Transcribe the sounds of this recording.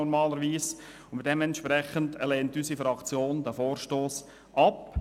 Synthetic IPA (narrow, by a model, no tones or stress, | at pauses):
ɔɾmɑːləɾʋiːs | ʊnmɪt̚d̥ɛmɛntʃpɾɛχəntɛlɛːntysifɾɑkt͡sjoːndæfoːɾʃtoːs | ʔɑp